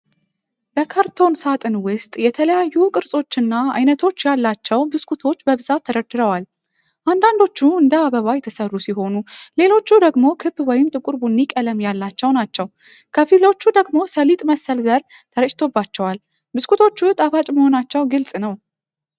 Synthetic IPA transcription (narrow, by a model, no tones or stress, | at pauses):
bəkʰaɾt̪ʰo̞nsat̪ʼɨnwʊst̪ʼjɛt̪ʰələjajːukʼɨɾsʼo̞t͡ʃːɨnːaa̰jnət̪ʰo̞t͡ʃːjalːat͡ʃːɛwbɨskʰut̪ʰo̞t͡ʃːbəβɨzat̪ʰːəd̪əd̪ɨɾəwal | ʔand̪and̪o̞t͡ʃːuɨnd̪əaβəβajɛt̪ʰəsərːusiɦho̞nule̞lo̞t͡ʃːud̪əɡmo̞kʰɨbwɔjɪmt̪ʼɨkʼuɾbunːikʼələmjalːat͡ʃːɛwnat͡ʃːɛw | kʰəfilo̞t͡ʃːud̪əɡmo̞səlit̪ʼməsːəlzəɾ | t̪ʰəɾəʃɪ̥t̪ʰo̞bat͡ʃːɛwal | bɨskʰut̪ʰo̞t͡ʃːut̪ʼafat͡ʃʼməho̞nat͡ʃːɛwɡɨlsʼnəw